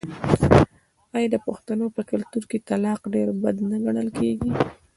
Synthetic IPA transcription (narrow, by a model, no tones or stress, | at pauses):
ɑjɑd̪əpaxt̪anopəkalt̪uɾket̪alɑqɖeɾbad̪naɡaɳəlkeɡi